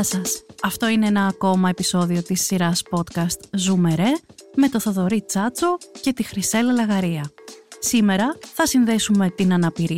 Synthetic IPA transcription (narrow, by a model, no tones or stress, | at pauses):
sɐsɐft̪o̞ine̞enɐːko̞mɐe̞piso̞ðio̞t̪isːiɾɐspo̞t̪kɐst̪zume̞ɾe̞me̞t̪o̞θoðo̞ɾit͡sɐt͡so̞ce̞t̪ixɾise̞lɐlɐɣɐɾiɐsime̞ɾɐθɐsinðe̞sume̞t̪inɐnɐpiɾi